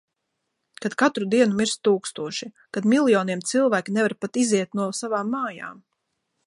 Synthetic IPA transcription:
kad̪̥kat̪ɾud̪iɛnumiɾst̪uːkst̪uɔʃi | kad̪milˠjɔːniɛmt̪silˠvæːkʲinɛvaɾpat̪iziɛt̪nuɔsavaːmːaːja̰ːm

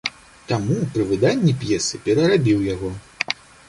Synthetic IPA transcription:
t̪amupɾɨvɨd̪anʲːipjɛsɨpʲɛɾɐɾabʲiwjaɣɔ

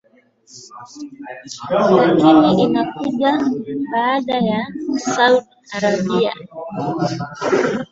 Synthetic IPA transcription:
jakimiʔinakuʄaɓaːɗajasauɗiaɾaɓia̰

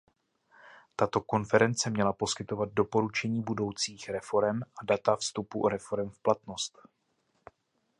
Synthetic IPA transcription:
t̪at̪o̞ko̞nfɛɾɛnt͡sɛmɲɛlapo̞skɪt̪o̞vad̪̚do̞po̞ɾut͡ʃɛɲiːbudo̞wt͡siːxɾɛfo̞ɾɛmʔadat̪afst̪upuɾɛfo̞ɾɛmfplat̪no̞st̪

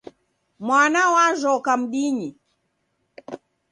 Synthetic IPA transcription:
mwanawaʒɔkam̩ɗiɲi

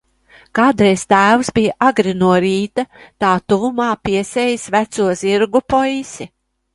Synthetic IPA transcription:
kaːd̪ɾɛjst̪æːwsbijaʔaɡɾinuɔɾiːt̪at̪aːt̪uvumaːpiɛsʲɛjisʲvæt̪suɔziɾɡupɔjsʲɛ

